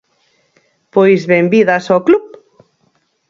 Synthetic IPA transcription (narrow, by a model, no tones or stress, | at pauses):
pojzβembiðasɔklup̚